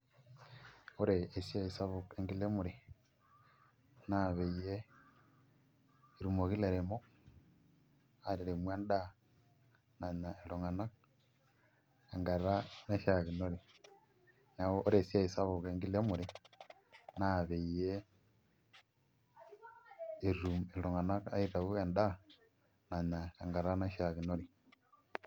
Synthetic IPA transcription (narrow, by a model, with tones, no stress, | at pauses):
o˦ɾeː˨sja˦i˨sa˦βu˨ke˨ŋɡi˦le˦mu˨ɾe˨ | na˦βe˨ije˦ | i˨ɾu˨mo˨ɣi˦le˨ɾe˨mo˦ | a˨ɾi˨ɾe˨mwe˦nda˦ | na˨ɲa˨e˨lo˨ŋa˨na˦k̚ | e˨ŋɡa˨ɾa˦na˦ʃa˨ɣi˨no˦ɾi˨ | na˨o˦ʔo˦ɾe˨si˦a˦i˨sa˦βo˨ɣe˦ŋɡi˦le˦mu˨ɾe˦ | na˦βe˨i˨je˦ | e˨ɾu˨me˨lo˨ŋa˨na˦ka˦iɾa˨βu˦e˨nda˦ | na˨ɲa˨e˨ŋɡa˨ɾa˦na˦ʃa˨ɣi˨no˦ɾi˨